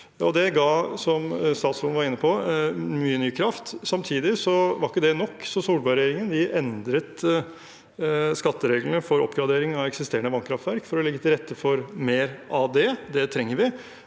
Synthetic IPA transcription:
ɔd̪ɛɡɑːsɔmst̪ɑːt̪sfɔlnʋɑɾɪnːəpʰɔmyːənyːkʰɾɑft̪sɑmt̪ʰiːd̪ɪsɔʋɑɾɪkːəd̪ɛnɔkːsɔsuːlbɑɾɛjeːɾɪŋənd̪ɪʔɛnd̪ɾət̪ | skɑt̪ːəɾeːɡlnəfɔɾɔ̰pːɡɾɑd̪eːɾɪŋɑɛksɪst̪eːənəʋɑnkʰɾɑft̪ʋæɾkfɔɾɔlɛɡːət̪ʰɪlɾɛt̪ːəfɔɾmeːɾɑd̪ɛd̪ɛt̪ʰɾɛŋːəɾʋɪ

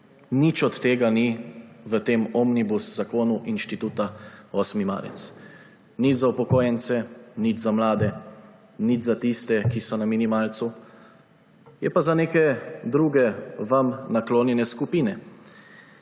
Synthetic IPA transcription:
nit͡ʃɔt̪t̪ːeːɡaniʋət̪eːmɔmnibuszakoːnuʔinʃt̪it̪uːt̪aɔsmima̰ːɾɛ̰t̪s | nid͡ʒzaupɔkoːjɛnt̪sɛnid͡ʒzamlaːd̪ɛ | nid͡ʒzat̪ist̪ɛkisɔnaminimaːlt̪su | jɛpazaneːkɛd̪ɾuɡɛʋamnakloːnjɛnɛskupiːnɛ

